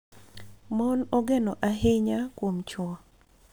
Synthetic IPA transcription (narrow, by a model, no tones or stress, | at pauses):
monɔɡenɔʔaɦɪɲakwomt͡ʃwɔ